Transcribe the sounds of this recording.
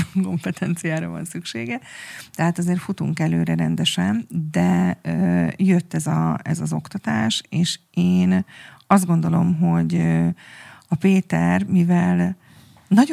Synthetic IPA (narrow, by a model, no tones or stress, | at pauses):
ŋko̞mpɛt̪ʰɛnt̪sijaːɾɒ̰vɒ̰nsykʃeːɡɛt̪ɛɦaːt̪ɒzeːrfut̪ṵŋkɛløːɾɛɾɛnd̪ɛʃɛnd̪ɛøjø̞t̪ːɛzɒɛ̰zɒzo̞kt̪ɒt̪aːʃeːʃ | eːnɒzd̪ɡo̞nd̪o̞lo̞̰mɦo̞ɟø | ɒpeːt̪ɛrmivɛl | nɒɟ